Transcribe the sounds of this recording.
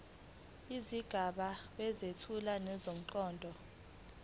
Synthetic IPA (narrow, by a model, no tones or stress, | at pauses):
iziɡ̥ʱaɓaɓɛzetʰulanɛzom̩ǃɔːndʱɔ